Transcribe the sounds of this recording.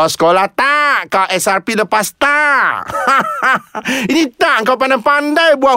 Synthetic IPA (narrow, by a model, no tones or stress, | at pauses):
sə̥kolaht̪aʔkawʔɛsarpiləpast̪a | init̪aʔəŋkawp̬andajpandajbuaʔ